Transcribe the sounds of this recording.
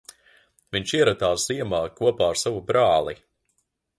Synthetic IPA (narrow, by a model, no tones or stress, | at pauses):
viɲʃiɛɾat̪aːsz̥iɛmaːkuɔpaːaɾsavubɾaːlˠi